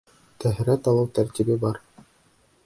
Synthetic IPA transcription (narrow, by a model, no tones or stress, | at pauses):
t̪æɦɾæt̪ɑlˠɤwt̪æɾt̪ibɘbɑɾ